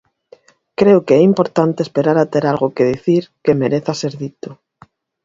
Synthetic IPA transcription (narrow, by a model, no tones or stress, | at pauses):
kɾeokeɛimpo̞ɾt̪ant̪eespeɾaɾat̪eɾalɣokeðiθiɾkemeɾeθaseɾðit̪o